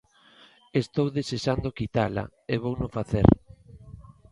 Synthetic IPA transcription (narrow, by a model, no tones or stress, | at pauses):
est̪owðeseʃand̪okit̪ala̰eβ̞ownofaθḛɾ